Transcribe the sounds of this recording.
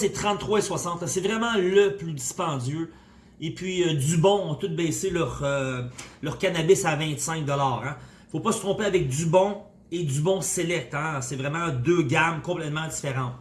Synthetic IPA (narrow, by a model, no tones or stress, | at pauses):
sɛt̪ʁɑ̃t̪ːʁwaeswasɑ̃ːt̪ɛsɛvʁɛmɑ̃ləplyd͡z̪ispɑ̃ːzø | epɥiəd̪ybɔ̃ɔ̃t̪ʊt̪̚bɛːselœʁølœʁkʲanabɪsavɛ̃t̪sɛ̃k̚d̪ɔlɑːʁɛ̃ifopasə̥t̪ʁɔ̃peavɛk̚d̪ybɔ̃ | ed̪ybɔ̃selɛk̚t̪ɛ̃sɛvʁɛmɑ̃d̪øɡamkɔ̃plɛt̪mɑ̃dd͡z̪ifeʁɑ̃ːt̪